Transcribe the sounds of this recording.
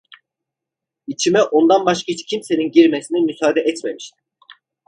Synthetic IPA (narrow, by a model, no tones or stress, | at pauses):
it͡ʃʰimɛʔo̞nd̪anbaʃkʰait͡ʃcʰimse̞ninɟiɾmesinimysaːd̪ɛʔɛt̪memiʃt̪ʰi̥